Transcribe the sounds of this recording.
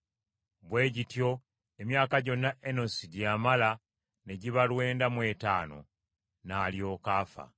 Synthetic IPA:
βwe̞ːɟitjo̞ | e̞mjaːkaɟo̞nːaʔenosidjaːmala | neɟiβalwe̞ːndamwe̞ta̰ːno̞̰ | naːljo̞ːkaːfa̰

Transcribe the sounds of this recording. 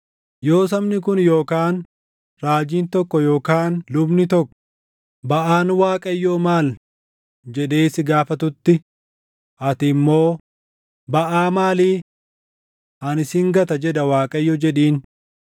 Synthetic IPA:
jo̞ːs̬ɐmnɪkʊnjoːkaːn | ɾaːd͡ʒiːnt̪ɔkːɔjo̞ːkaːnlʊbnɪt̪ɔkːɔ̥ | bɐʔaːnwaːkʼɐjːoːmaːl | d͡ʒɛᶑ̪eːsɪɡaːfɐt̪ʊt̪ːɪ | ʔɐt̪ɪmːo̞ː | bɐʔaːmaːliː | ɐnɪsɪŋɡɐt̪ɐd͡ʒɛd̪ɐwaːkʼɐjːɔd͡ʒɛᶑiːn

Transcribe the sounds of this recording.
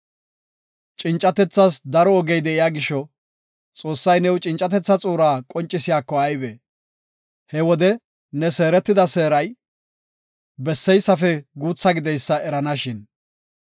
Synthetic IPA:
t͡ʃʼɪnt͡ʃʼːɐt̪ɛt͡sːɐsd̪ɐɾɔːɡɛjd̪ɛʔɪjaːɡɪʃːɔ | t͡sʼo̞ːsːɐjnɛwt͡ʃʼɪnt͡ʃʼːɐt̪ɛt͡sːɐt͡sʼuːɾaːkʼɔnt͡ʃʼːɪsɪjaːkːɔɐjbɛ | hɛwɔd̪ɛ | nɛseːɾɛt̪ːɪd̪ɐseːɾɐj | bɛsːɛjsːɐfɛɡuːt͡sːɐɡɪd̪ɛjsːɐɛɾɐnɐʃɪn

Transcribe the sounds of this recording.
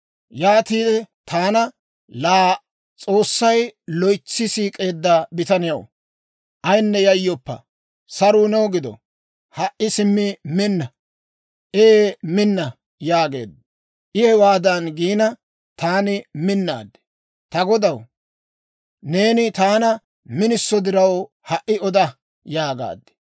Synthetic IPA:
jaːt̪iːd̪ɛt̪ʰaːnɐ | laː | t͡sʼo̞ːsːɐjlɔjt͡sːɪsiːkʼe̞ːd̪ːabɪt̪ɐnɪjɐ̰w | ʔɐjnːɛjɐjːɔpːɐ̰ | sɐɾuːnɛwɡɪd̪ɔ̰ | hɐʔʔɪsɪmːɪmɪnːɐ | ʔemɪnːɐ | jaːɡe̞̰ːd̪ | ʔɪhɛwaːd̪ɐnɡiːnɐ | t̪aːnɪmɪnːa̰ːd̪ːɛ̥ | t̪ɐɡɔd̪ɐw | ne̞ːnɪt̪aːnɐ | mɪnɪsːɔd̪ɪɾɐw | hɐʔɪɔd̪ɐ | jaːɡa̰ːd̪ːɛ̥

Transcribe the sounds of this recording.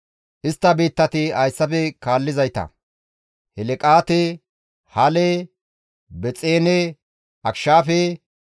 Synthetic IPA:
ʔɪst̪ːɐbiːt̪ːɐt̪ɪɐjsːɐpɛkaːlːɪzɐjt̪ɐ̰ | hɛlɛkʼaːt̪ɛ | hɐlɛ | bɛt͡sʼeːnɛ | ʔɐkʃaːfɛ

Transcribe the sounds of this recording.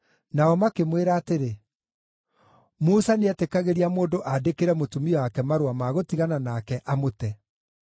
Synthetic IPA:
naɔmakemweɾaːteɾe | musaneɛtekaɣeɾiamoːndoʔadekeɾɛmotumiɔwakɛmaɾwamaɣotiɣananakɛʔamotɛ

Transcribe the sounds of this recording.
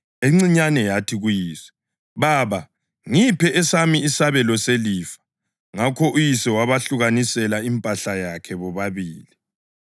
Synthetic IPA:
eŋ͡ǀiɲanɛjatʰiɣujiːswɛ̥ | βaːβa | ŋipʰɛʔɛsamiisaβɛlɔseliːfḁ | ŋakʰɔʔujisɛwaβaɬuɣanisɛlaimpʼaɬajakʰɛβɔβaβiːli

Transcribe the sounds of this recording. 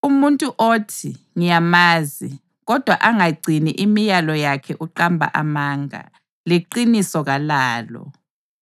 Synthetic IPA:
umuntʼuʔoːtʰi | ŋijamaːzi | ɣɔd̥ʱwaʔaŋaɡ͡ǀʱiniʔimijalɔjakʰɛʔuǃambʱa̰ʔamaːŋa̰ | liǃinisɔɣalaːlɔ̰

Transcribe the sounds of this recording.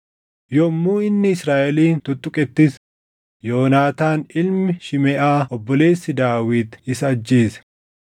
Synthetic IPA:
jɔmːuːɪnːɪɪsɾaːʔɛliːnt̪ʊt̪ʼːʊkʼɛt̪ːɪs | jo̞ːnaːt̪aːnɪlmɪʃɪmɛʔaːʔɔbːɔle̞ːsːɪd̪aːwɪt̪ɪsɐd͡ʒːeːsɛ̥

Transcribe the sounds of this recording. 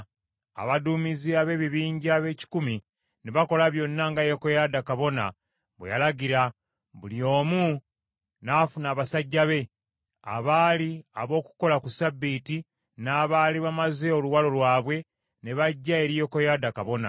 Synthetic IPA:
a̰βaduːmiziaβe̞ːβiβiːɲɟaːβe̞ːci̥kumi | ne̞βako̞laβjo̞nːaŋɡajo̞kojadakaβo̞na̰ | βwejalaɡiɾa | βuljo̞ːmu | nafunaːβasaɟːaβe̞ | a̰βaːlia̰βo̞ːku̥ko̞lakusabːiti | naːβaːliβamaze̞o̞luwalo̞lwaːβwe̞ | ne̞βaɟːae̞ɾijo̞kojadakaβo̞na̰

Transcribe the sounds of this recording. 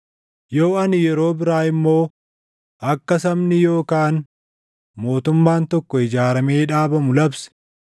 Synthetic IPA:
jo̞ːɐnɪjɛɾo̞ːbɪɾaːɪmːo̞ː | ʔɐkːɐsɐmnɪjo̞ːkaːn | mo̞ːt̪ʊmːaːnt̪ɔkːɔɪd͡ʒaːɾɐmeːᶑaːbɐmʊlɐbsɛ̥

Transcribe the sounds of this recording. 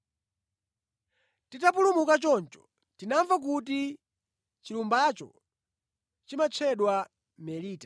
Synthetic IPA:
titapulumukat͡ʃɔnt͡ʃɔ̥ | tinaɱvak̬ut̬i | t͡ʃilumbat͡ʃɔ̰ | t͡ʃimat͡ʃʰɛɗwa | mɛliːtḁ

